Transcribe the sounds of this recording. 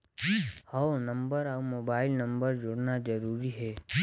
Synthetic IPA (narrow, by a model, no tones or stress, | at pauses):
haonə̃mbəɾaumoːbaːɪlnəmbəɾd͡ʒoɽnad͡ʒəɾuːɾiɦɛː